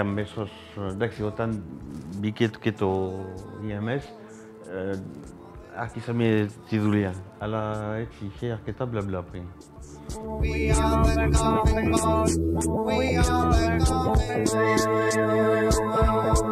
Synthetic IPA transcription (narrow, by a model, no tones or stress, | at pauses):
ambesɔs | d̪aksiot̪anbiket̪ket̪o | iɛmɛs | a̰ʁkisamiet̪iðulã | alaɛsixeaʁket̪ablablapʁin